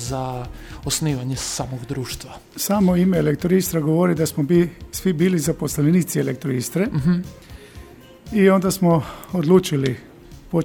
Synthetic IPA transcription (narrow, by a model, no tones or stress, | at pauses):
zaosniːʋaɲesaːmoɡd̪ɾuːʃt̪ʋa | saːmoimeːlekt̪oɾist̪ɾaɡoʋoɾid̪asmobisʋibiːlizaposlaniːt̪sielek̚t̪ɾoiːst̪ɾe | io̞nd̪asmood̪lˠuːt͡ʃili | po